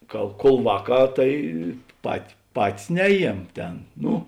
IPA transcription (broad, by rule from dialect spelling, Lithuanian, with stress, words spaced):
ˈkɐ kuɔlˠ ˈʋɑːˌkɑː ˈtɐɪ pɐt ˈpɑːtʲɪs ˈnʲæːˌjiɛm ˈtʲeːn ˈnʊ